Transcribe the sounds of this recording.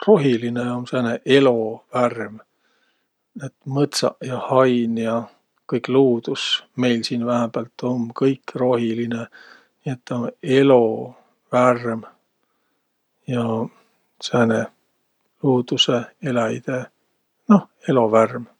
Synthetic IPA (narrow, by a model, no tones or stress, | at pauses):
ro̞ɦilineonseːneʔe̞lo̞værm | et̪mɤt̪sɑ̰ʔjɑhɑjnjɑ | kɤjkˑluːd̪̥usme̞jlsiːnvæɦæb̥ɑlt̪ːˑo̞nkɤjkro̞ɦiline | nie̞t̪ːɑone̞lo̞ | værm | jɑ | sene | luːd̪̥use̞e̞læjd̪̥e | no̞h | e̞lo̞værm